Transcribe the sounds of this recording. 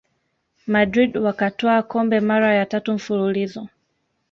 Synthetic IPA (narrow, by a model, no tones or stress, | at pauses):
madɾidwakatɔakɔmbɛmaɾajatatuɱ̩fululizɔ